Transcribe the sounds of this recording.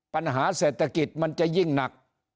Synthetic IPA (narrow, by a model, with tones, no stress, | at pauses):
pa˧nɦaː˩˦seː˨˩t̪ʰːa˧ki˨˩t̪̚ma˧nt͡ɕa˨˩ji˥˩ŋna˨˩k̚